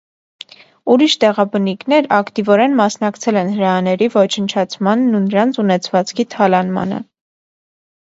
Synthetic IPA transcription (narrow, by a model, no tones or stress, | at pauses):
uɾiʃt̪ɛʁɑbəniknɛɾɑkt̪ivɔɾɛnmɑsnɑkt͡sʰɛlɛnhəɾɑːnɛɾivɔt͡ʃʰənt͡ʃʰɑt͡sʰmɑnːunəɾɑnt͡sʰunɛt͡sʰvɑt͡skʰit̪ʰɑlɑnmɑ̰nə̰